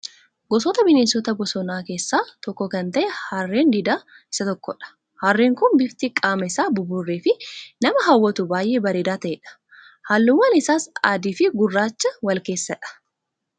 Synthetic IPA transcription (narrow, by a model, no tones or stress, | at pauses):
ɡɔsɔt̪ɐbɪneːsɔt̪ɐbɔsɔnaːke̞ːsːaːt̪ɔkːɔkɐnt̪ɐʔɛhɐrːeːnd̪id̪aː | ɪsɐt̪ɔkːɔᶑɐ̥ | hɐrːeːŋkʊnbɪft̪ɪkʼaːmɐɪsaːbʊbʊrːeːfɪnɐmɐɦɐwːɐt̪ʊbaːjʔe̞ːbɐɾeːd̪aːt̪ɐʔeːᶑɐ̥ | haːlːʊwːɐnɪsaːsaːd̪iːfɪɡʊrːaːt͡ʃːɐwɐlke̞ːsːɐᶑɐ̥